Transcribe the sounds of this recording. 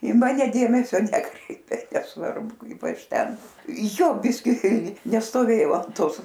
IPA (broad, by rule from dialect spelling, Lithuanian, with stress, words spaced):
ɪ ˈmɑːnʲɛ ˈdʲeːmʲɛsʲoː ˈnʲæːkrʲɛɪpʲeː nʲɛsˈʋɐrbʊ ˈkɐɪp ˈɐʃ ˈtʲɛn ˈjoː ˈbʲɪsʲkʲɪ nʲɛstoːˈʋʲeːjɛʊ ɐn ˈtoːs